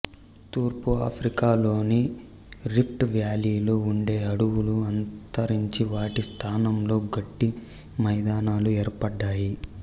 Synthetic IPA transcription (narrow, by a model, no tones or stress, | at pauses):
t̪uːɾpuaːpʰɾikaːlo̞ːni | ɾipʰʈʋjaːliːloːuɳɖe̞ːɐɽuwuluɐnt̪ɐɾiɲt͡ʃiʋaːʈist̪ʰaːnɐmlo̞ːɡɐʈːi | mɐjd̪aːnaːlueːɾpɐɖːaːji